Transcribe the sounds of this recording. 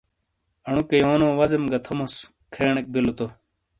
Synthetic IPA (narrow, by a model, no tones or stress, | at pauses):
ɐɳ̃ukejoːnoːʋɐzemɡɐt̪ʰomos | kʰeːɳek̚bilot̪o